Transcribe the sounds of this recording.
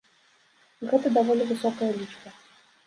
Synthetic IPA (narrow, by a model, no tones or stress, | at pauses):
ɣɛt̪ɐd̪avɔlʲɪvɨsɔkɐjɐlʲit͡ʂkə